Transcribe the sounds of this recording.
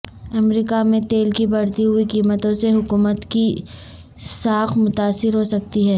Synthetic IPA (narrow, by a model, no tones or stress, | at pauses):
ɐmɾiːkamẽt̪eːlkibɐɽt̪iɦʊikiːmət̪õseɦʊkuːmət̪ki | saːxmʊt̪aːsːɪɾɦosɐk̚t̪iɦɛː